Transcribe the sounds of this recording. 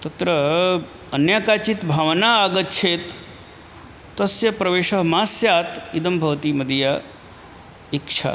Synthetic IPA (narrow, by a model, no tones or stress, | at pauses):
t̪ɐt̪ɾɐ | ɐnjaːkaːt͡ʃit̪bʱaːʋnaːaːɡɐt̪t͡ʃʰeːt̪ | ɐsjɐpɾɐʋeːʃɐɦmaːsjaːt̪id̪ɐmbʱɐʋt̪iːmɐd̪ʱja | ikʂʰa̰